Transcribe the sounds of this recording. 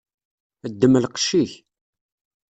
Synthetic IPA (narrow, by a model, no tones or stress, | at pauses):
əd̪ːəməlqə̥ʃiç